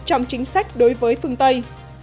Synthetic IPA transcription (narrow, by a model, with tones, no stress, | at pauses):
t͡ɕɔ˧wŋ͡mt͡ɕï˨˦ŋ̟sa˦˥jk̟̚ɗo˨˦jvəː˨˦jfɨ˧əŋt̪ə˧j